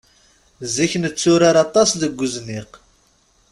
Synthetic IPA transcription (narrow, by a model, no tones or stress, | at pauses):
ziçənət͡sːʊɾaɾɑt̪ˤɑsðəɡʷːuzniq